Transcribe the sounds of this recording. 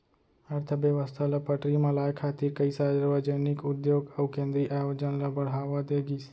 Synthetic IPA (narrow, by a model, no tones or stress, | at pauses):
əɾt̪ʰəbjəʋəst̪ʰalapəʈɾimẽlaːjkʰaːt̪iɾkəisadɾʋəd͡ʒənikʊd̪joːɡəwkẽːnd̪ɾiʔaːjoːd͡ʒənlabəɽ̤ɦaːʋad̪eːɡis